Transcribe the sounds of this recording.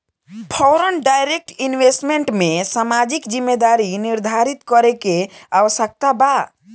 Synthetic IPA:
pʰɔɾənɖajɾek̚ʈinwesʈmeɳʈmesamad͡ʒikd͡ʒimːed̪aɾiniɾd̪ʱaɾit̪kɔɾekeaʋəsək̚t̪aba

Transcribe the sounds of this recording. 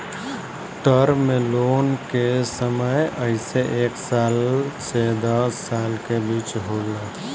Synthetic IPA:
ʈəɾmẽloːnkesəməjəɪseʔeːksaːlsed̪əsːaːlkebiːt͡ʃɦolə

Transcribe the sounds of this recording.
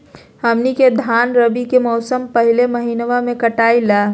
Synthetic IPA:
ɦəmniked̪ʱaːnɾəbikemɔʊsəmpɐɦɪleməɦiːnʋamẽkɐʈaːilaː

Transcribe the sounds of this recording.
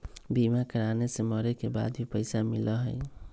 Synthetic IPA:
bimakəɾaneseməɾekeba̰d̪bʱipəɪjsamiləɦəj

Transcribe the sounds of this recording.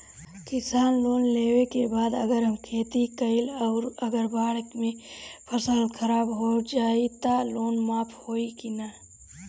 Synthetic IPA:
kɪsaːnloːnleːwekebaːd̪ɐɡəɾɦɐmkʰeːt̪ikɐɪlɔːɾɐɡəɾbaːɽkmẽpʰɐsaːlkʰɐɾaːbɦod͡ʒaːit̪aloːnmaːpʰhoːikinaː

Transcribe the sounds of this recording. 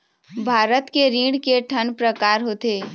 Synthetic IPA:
bʱaːɾət̪keɾiːɽkeʈʰənpɾəkaːɾɦoːt̪eː

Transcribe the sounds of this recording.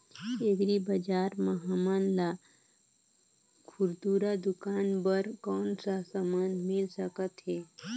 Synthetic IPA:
eɡɾibəd͡ʒaːɾməɦamanla | kʰuɾd̪uɾad̪ʊkaːnbəɾkɔːnsasəmənd̪mɪlsəkət̪ɦɛː

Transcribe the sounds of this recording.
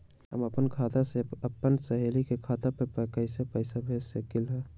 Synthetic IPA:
ɦə̰məpənkʰaːt̪aseəpːənsəɦelikekʰaːt̪apəpəkəɪsepəɪsabʱesekilɦɛ

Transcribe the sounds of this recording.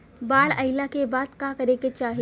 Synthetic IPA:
baːɭəjlakebaːt̪kakəɾeket͡ʃaːɦi

